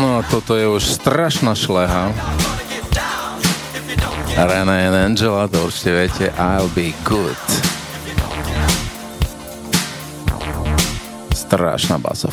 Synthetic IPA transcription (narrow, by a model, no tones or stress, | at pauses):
nɔat̪ɔt̪ɔjɛuʃst̪ɾaʃnaʃlɛɦa | ɾɛnaɛnɛnd͡ʒɛlat̪ɔuɾt͡ʃi̥cɛʋɪɛcʰɛʔaɪlbiɡʊd̥ | st̪ɾa̰ʃna̰ba̰sa̰